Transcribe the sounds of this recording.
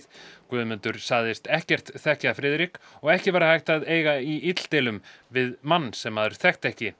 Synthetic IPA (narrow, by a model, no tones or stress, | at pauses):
kvœːðmʏnt̪ʏɾ̥saɣðɪst̪ɛhcɛr̥t̪θɛhcafɾɪːðɾikɔɣɛhcɪvaːɾahajht̪aðeːjɣaiit̪l̥t̪ɪːlʏm | vɪðmanːsɛmːaðʏɾ̥θɛxt̪ɛhcɪ